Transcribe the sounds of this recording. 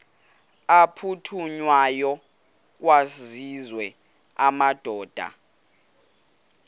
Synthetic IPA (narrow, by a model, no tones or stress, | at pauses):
apʰutʰuɲwajɔ | k̬wazizwɛ | amad̥ʱɔːd̥ʱa̰